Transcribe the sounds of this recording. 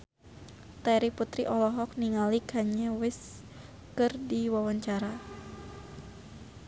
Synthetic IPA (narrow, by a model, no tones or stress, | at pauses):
t̪aɾiput̪ɾiʔɔlɔɦɔk̚niŋalikaɲɛwɪs | kɨrdiwawaɲt͡ʃaɾa